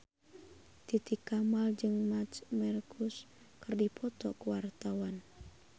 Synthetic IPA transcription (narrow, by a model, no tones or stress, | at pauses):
t̪it̪ikamald͡ʒɨŋmat͡ʃmɛrkʰus | kɨrdipʰɔt̪ɔkuwart̪awan